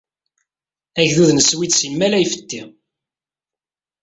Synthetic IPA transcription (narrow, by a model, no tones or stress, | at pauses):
æçðuðnəswid̪simːælæjfə̥t̪ːi